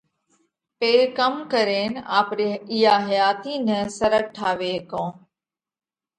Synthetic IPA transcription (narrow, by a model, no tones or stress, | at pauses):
peːkəmkəɾeːnaːpɾeɪjaːɦəjaːt̪iːnəsəɾək̚ʈʰaːʋeːkõː